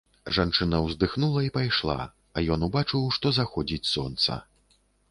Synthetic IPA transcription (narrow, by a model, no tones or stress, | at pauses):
ʐant͡ʂɨnɐwzd̪ɨxnulˠɐipajʂlˠa̰ | ɐ̰jɔnubat͡ʂɨwʂt̪ɔzaxɔd͡zʲit͡sʲsɔ̰nt̪sɐ̰